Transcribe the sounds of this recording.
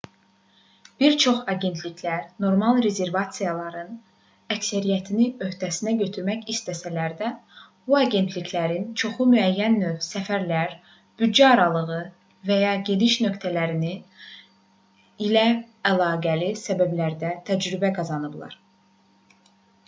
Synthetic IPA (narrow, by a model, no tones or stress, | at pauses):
b̥iɾt͡ʃʰo̞χɑɟe̞nt̪ʰlicʰlæɾno̞ɾmɑlˠɾe̞ze̞ɾvɑt̪sijɑlˠɑɾɯn | æcsæɾijæt̪ʰiniø̞ht̪ʰæsinæɟø̞t̪ʰyɾmæçist̪ʰæsælæɾd̪æb̥uɑɟe̞nt̪ʰlicʰlæɾint͡ʃʰo̞χumyæjːænːøvsæfæɾlæɾ | b̥ydd͡ʒæɑɾɑlˠɯɣɯ | væjɑɟeliʃnø̞kt̪ʰælæɾini | ilæ | ælˠɑːɡælisæbæblæɾd̪æt̪ʰæd͡ʒɾybæɡɑzɑnɯblˠɑ̰ɾ